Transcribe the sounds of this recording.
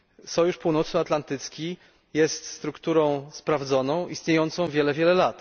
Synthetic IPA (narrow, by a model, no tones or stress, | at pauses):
sɔjuʂpuwnɔt̪sɨat̪lant̪ɘt̪skʲi | jɛst̪st̪ɾukt̪uɾɔ̃w̃spɾavd̪zɔnɔ̃w̃ʔist̪ɲejɔnt̪sɔ̃w̃vʲjɛlɛvʲjɛlɛlat̪